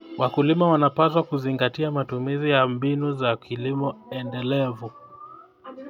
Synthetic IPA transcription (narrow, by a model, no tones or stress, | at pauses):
wakulimawanapas̬wakuziŋɡatiamatumizijambinuzakilimɔɛndɛlɛvu